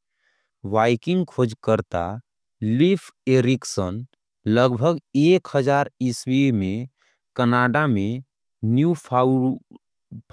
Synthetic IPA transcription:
ʋaːɪkɪ̃ŋɡkʰod͡ʒkəɾt̪a̰ | lipʰeɾɪksən | ləɡbʱəɡeːkhəd͡ʒaːɾɪswiɾmẽ | kənaːɖamẽ | njup | pʰ

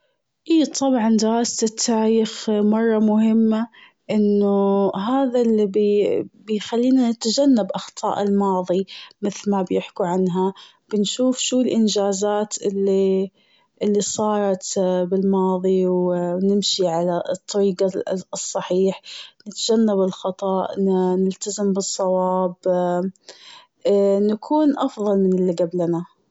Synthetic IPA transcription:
ʔiːt̪ˤʰɑbʕɑnd̪ɪɾɑːst̪ɪt̪ʰːaʕiɪxmɑrˤːɑmʊhɪmːa | ʔɪnːʊɦaːðalːibbɪjxalːiːnanɪt̪ad͡ʒanːabʔɑxt̪ˤɑ̰ːʔɪlmɑːðˤimɪθlmabjɪħkuʕanɦa | b̥ɪnʃuːfʃuːɪlʔɪnd͡ʒaːzaːt̪ʔɪlːi | ʔɪlːisˤɑːɾˤɑt̪bɪlmɑːðˤiwnɪmʃiʕalat̪ˤːɑɾiːɡɑsˤːɑħiːħnɪt̪ad͡ʒanːabɪlxɑt̪ˤɑːʔnɪlt̪azɪmbɨsˤːɑwɑːb | nakʰuːnʔɑfðˤɑlmɪnɪlːiɡablana

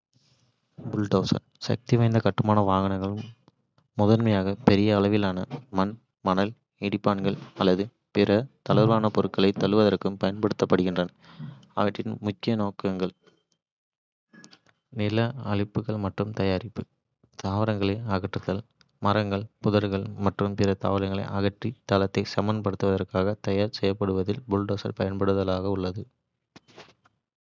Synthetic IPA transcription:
bʊlʈɐʊsɐ̰n | sɐ̰k̚t̪iʋɐɪnd̪ɐkɐʈːɯmaːnɐʋaːɣɐnɐŋɡɐɭɯmː | ʊðɐɾmɐjaːɣɐpɛɾɪjɐːɭɐʋɪlaːnɐmɐn | mɐnɐl | ɪɽɪpːaːnɡɐɭɐlːɐðɯ | pɪɾɐt̪ɐlɐɾʋaːnɐpɔɾɯkːɐɭɐɪt̪ɐɭɯʋɐðɐrkɯmpɐjɐnpɐɽɯt̪ːɐpːɐɽɯɣɪndrɐnɐ | ɐ̰ʋɐʈrɪnmʊkːɪjɐnoːkɐŋɡɐɭ | nɪlɐɐɭɪpːɯɣɐɭmɐʈrɯmt̪ɐjaːɾɪpːɯ | t̪aːʋɪɾɐŋɡɐɭɐaːɣɐʈrɯt̪ːɐl | mɐɾɐŋɡɐɭpʊðɐɾɣɐɭmɐʈrɯmpɪɾɐt̪a̰ːʋɐɾɐŋɡɐɭɐ̰ɪʔɐɣɐʈrit̪ɐlɐt̪ːɐɪsɐmːɐnd̪ɐpɐɽɯt̪ːɯʋɐðɐrkaːɣɐt̪ɐjaːɾsɛjːɐpːɐɽɯʋɐðɪlbʊlɖoːsɐ̰lpɐjɐnpɐɽɯɐðɐlaːɣɐʊɭːɐðɯ

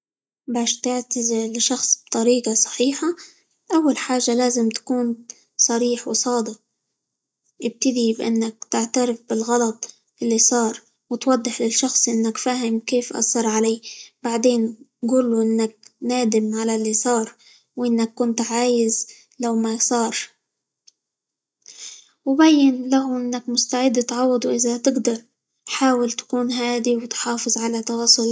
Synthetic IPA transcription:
baːʃt̪ɪʕt̪azɪlɪʃɑxsˤb̥̚t̪ˤɑɾiːqɑsˤɑ̥ħiːħa | ʔawːalħaːʒːalaːzɪmt̪ḁkuːn | sˤɑɾiːħwsˤɑːd̪ɪq̚ | ʔɪb̚t̪ɪd̪ibʔɪ̰nːak̚t̪ɪʕt̪aɾɪfbɪlɣɑlɑt̪ˤ | ʔɪlːisˤɑːɾˤ | wɪt̪wɑd̪ˤːɨħlɪlʃɑxsˤʔɪnːakfaːhɪmkeːfʔɑ̰sˤɑɾˤʕalaːbaʕd̪eːnɡuːlːuʔɪnːak̚naːd̪ɪmʕalalːisˤɑːɾˤ | wʔɪnːakːʊnt̪ʕaːjɪz | lawmasˤɑːɾˤ | wbajːɪnlaɦʊʔɪnːakmʊst̪aʕɪd̪ːt̪ʕɑwːɑd̪ˤuʔɪzat̪ɪɡd̪ɑɾˤ | ħaːwɪlt̪ḁkuːnɦaːd̪iwɪt̪ħɑːfɨzˤʕalat̪ɑwɑːsˤʊl

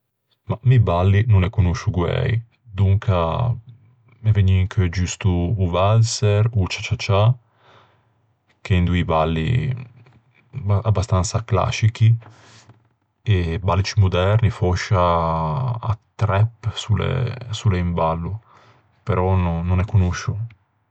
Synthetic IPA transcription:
mamibalːinonɛkːonuʃːuɡwɛ̰j | d̪uŋkʰa | mɛvɛɲːiŋkʰed͡ʒust̪uːvalsɛɾut͡ʃat͡ʃːat͡ʃa | kend̪uibalːḭ | abːast̪ansakla̰sik̟i | ebalːit͡ʃimud̪ɛrnifɔʃːa̰ː | t̪ːɾɛpːsulḛsulːeimbalːu | peɾɔnnːonɛkːunoʃːu

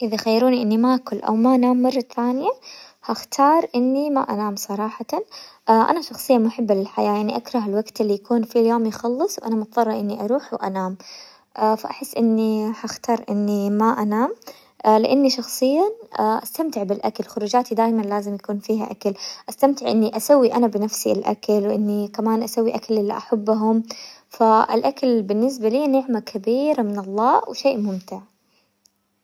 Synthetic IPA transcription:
ʔɪðaxajːɑɾuːniʔɪnːimaʔakʊlːʔa̰wmaʔanaːmːɑrˤːɑθaːnɪjahaxt̪ʰɑːɾˤʔɪnːima̰ʔanaːmsˤɑɾˤɑːħɑʔaʔa̰naʃɑxsˤɨjːanmaħɪbːɪɪlħajaːjaʕniʔakɾˤɑɦɪlwaɡt̪ɪlːijakuːnfiljoːmjɪxɑlːɨsˤwʔanamʊt̪ðˤɑrˤːɑʔɪnːiʔɑɾˤuːħwʔanaːm | ʔafaʔaħɪsːʔɪnːihaxt̪ɑːɾˤʔɪ̰nːimaʔanaːm | lɪ̰ʔanːiʃɑxsˤɨjːanʔast̪amt̪ɪʕbɪlʔakalxʊɾˤuːd͡ʒaːt̪id̪aːjmanlaːzɪmjakuːnfiːɦa̰ʔakalʔast̪amt̪ɪʕʔɪnːiʔasawːiʔanabɪnafsialʔa̰kalwʔɪnːikamaːnʔasawːiʔakalʔɪlːiʔaħabːʊɦʊmfaʔɪ̰lʔakalbɪnːɪs̬baliːnɪʕmakʰabiːɾamɪnɑlˤːɑːwʃeːʔmʊmt̪ɪʕ

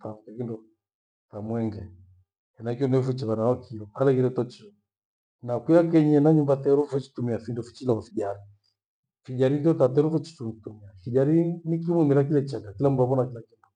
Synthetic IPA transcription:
taukɛkindɔ | tamwɛŋɡɛ | ɛnaikiɔnɛɔfut͡ʃɛβanawakʰiɔalɛɣiɾɛtɔt͡ʃiɔ | nakuak̬ɛɲɛnaɲumbatɛɾɔfɛt͡ʃi̥tumiafindɔfit͡ʃilaɔfiʄaɾi | fiʄaɾindiɔtatɛɾɔfɛt͡ʃi̥tutumiafiʄaɾinikimwumiɾak̬ilɛt͡ʃakakilamuduaβɔnakilakindɔ

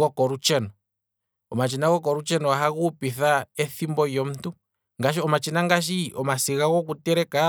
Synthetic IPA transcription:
ɔkɔɾut͡ʃɛnɔ | ɔmat͡ʃinaɣɔk̬ɔɾut͡ʃɛnɔaɦaɣupiθaɛθimbɔjɔm̩tu | ŋɡaʃiɔmat͡ʃinaŋɡaʃ̬iʔɔmasiɣaɣɔk̬utɛɾɛka

